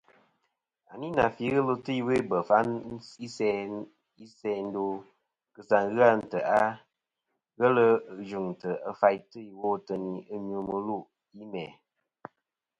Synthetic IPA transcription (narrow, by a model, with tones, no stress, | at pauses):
a˨ni˦na˨fi˨˦ɣə˦lo˦tɨ˦i˦we˦bə˨fa˨˦n˦i˦sɛ˦ | i˦sɛ˧˦n̩˦do˧ | kɨ˨sa˨ŋɣɨ˦a˦n̩˨tə˨a˦ | ɣə˦lə˧˨d͡ʒu˨ŋ̩˨tə˨ə˦fa˧jtɨ˦i˨wo˦tə˧ni˨˦ə˦ɲu˧mɨ˧lu˦˨ | i˦mɛ̰˨